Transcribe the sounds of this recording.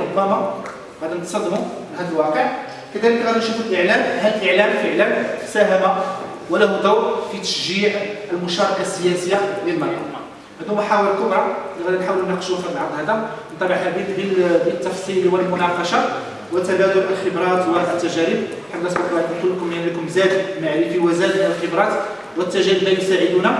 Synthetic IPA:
ɾʊbːæma | ɣæd̪inət̪sˤɑd̪ːmuhæd̪əlwɑqəʕ | kəd̪æləkɣæd̪inʃufəlʔəʕlæmhællʔəʕlæmfəʕlæmsæɦæmawəlːæhud̪ˤɑwɾfit̪ə̥ʃʒiʕəlmʊʃɑɾˤɑkasːəjæsəjːalilmɑɾˤɑ̰d̪ɑ | ʔæd̪umæħawəlkʊbɾˤɑlɣæd̪ænħawəlunəqʃuwæfəɾlʕɑɾˤd̪ˤhæd̪ænt̪ːˤɑbəʕħæɾbib̪bibət̪ːɑfsˤilwəlmʊnɑqɑʃɑ | wət̪æbæd̪ʊlʔəlxəbɾˤɑt̪wad̪ət̪ːæʒæɾib | ħad̪ːəsˤbɑkwaʕkkʊlːkʊmænləkʊmzæd̪maʕɾifiwæzæd̪əlxəbɾˤɑt̪ | wət̪ːæʒæɾiblæjʊsaʕəd̪unæ

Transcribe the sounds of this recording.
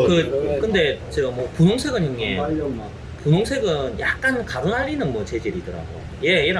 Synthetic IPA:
kɯkɯnde̞t͡ɕeɡamwʌpunoŋsʰe̞ɡɯnɦɯŋːe | punoŋsʰe̞ɡɯnjak̚k͈ankaɡɯnɦaʎːinɯnmwʌt͡ɕe̞d͡ʑiɾidɯɾa̰ɡo̰ | je̞jeɾa

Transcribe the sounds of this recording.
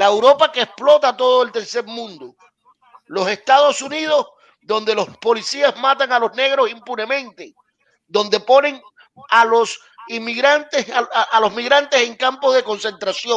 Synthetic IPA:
laewɾo̞pakeːsplo̞t̪at̪o̞ð̞oe̞lt̪e̞ɾse̞ɾmũnd̪o | lo̞se̞st̪að̞o̞sunið̞o̞z | ðo̞nd̪e̞lo̞hspo̞lisiazmat̪aŋalo̞zne̞ɣɾo̞simpune̞mẽ̞nt̪e̞ | d̪o̞nd̪e̞po̞ne̞ŋ | alo̞s | imiɣɾant̪eʔalo̞zmiɣɾant̪e̞se̞ŋkampo̞zðe̞ko̞nse̞nt̪ɾasjo

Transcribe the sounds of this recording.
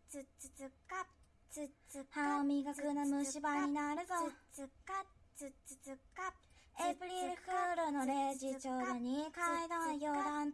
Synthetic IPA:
haomʲiɡakɯnamɯ̟ɕibaɲːinaɾɯ̟zo | epɯɾiɾɯ̟ɸɯɾonoɾeʑit͡ɕoːd̪oɲ̟ikaid̪aajoːd̪ãn

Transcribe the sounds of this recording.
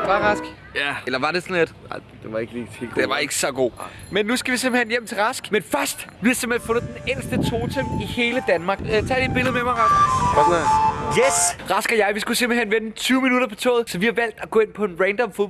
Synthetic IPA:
ɑʁɑsɡ̥ | jæelɐʋɑ̈ɾe̝sɒ̽nled̥nɑɪd̥e̝ʋɑ̈e̝ɡ̥əliːḛld̥eʋɑ̈e̝ɡ̥əsɒ̽ɡ̥o̝̰ːmenːusɡ̥æʋisemb̥l̩hɦenjem̰t͡sʰe̝lʁɑ̈sɡ̥menfɶɐsd̥ʋihɑ̈sem̥l̥enfɔ̽nð̞̩ˠd̥enel̰sd̥ət͡sʰo̝ːt͡sʰem̰d̥ihe̝ːləd̥ænmɑ̈ːɡ̥t͡sʰɛ̰ːd̥id̚b̥e̝lðˠmemɑ̈ɪʁɑsɡ̥ | jesʁɑ̈sɡ̥ɐjɑ̈ɪʋisɡ̥usemb̥l̩henʋenət͡sʰyːʊminuɾ̥ɐpʰɒ̽t͡sʰɔ̰ːð̩ˠsɒ̽ʋihɑ̈ʋæl̰d̥æɡ̥ɔ̰̽ːe̝n̰pʰɒ̽e̝nʁɛnd̥ɒ̽mfo̥

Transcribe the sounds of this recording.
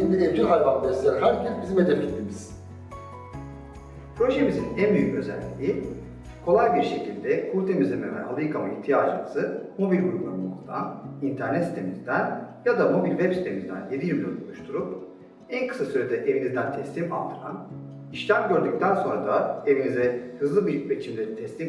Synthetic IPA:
ind̪ievd͡ʒilʲalʲvanlˠaɾsaɦæɾcʰɛsbizimed̪efcʲet̪ʰːimiz̥ | pʰɾo̞ʒemizinænbyjycø̞zæ̰lʲːḭi | kʰo̞lˠajbiɾʃe̞cʰilʲd̪ɛkʰulʲt̪ʰemizʲɛmɛvɛ̰ʔa̰lˠɯjkʰamaiçt̪ʰijaːd͡ʒɯmazɯmo̞bilʲɡuɾumˠaɾunmokʰud̪a̰nint̪ʰæɾnɛt̪si̥t̪ʰemizd̪ænjad̪amo̞bilʲvɛpsi̥t̪ʰe̞mizd̪æ̰nje̞d̪ijymʲlʲønolˠuʃt̪ʰuɾup̚ | ænkʰɯ̥sasøjed̪ɛʔe̞vinizd̪ænt̪ʰɛslʲima̰lˠt̪ʰɯɾa̰n | iʃlʲæmɟø̞ɾd̪yc̚t̪ʰænso̞nɾad̪ae̞vinizɛhɯzlˠɯbibet͡ʃʰimd̪ɛt̪ʰɛslʲim

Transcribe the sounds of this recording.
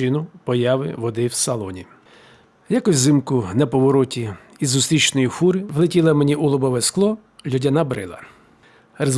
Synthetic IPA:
ɪnʊpɔjɑʋɪ̰ʋɔd̪ɪwsɐlˠɔnʲi | jakʊsʲzɪmkʊnɐpɔʋɔɾɔtʲi | izʊst̪ɾʲit͡ʃnɔjixuɾɪʋlˠetʲilˠɐmenʲiulˠɔbɔʋɛsklˠɔ | lʲɔdʲɐnabɾɪ̰lˠɐ̰ | rez

